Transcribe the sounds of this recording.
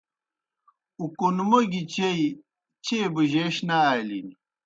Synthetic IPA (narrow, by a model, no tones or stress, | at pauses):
ukonmɐɡit͡ɕej | t͡ɕebɨʑeːɕnaːjlini